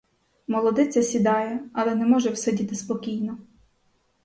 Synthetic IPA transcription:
mɔlˠɔd̪ɪt͡sʲɐsʲid̪ɑjɛɐlˠɛnɛmɔʒɛwsɔdʲit̪ɪspɔkʲijnɔ

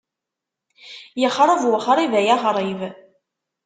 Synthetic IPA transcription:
jəχɾˤəvwʊχɾˤivæjæʁɾˤiv

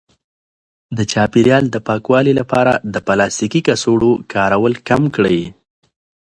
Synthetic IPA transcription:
d̪ət͡ʃɑpiɾjɑld̪əpɑkwɑlilapɑɾa̰d̪əpalɑst̪ikikasoɽokʰɑɾawəlkamkɽəj

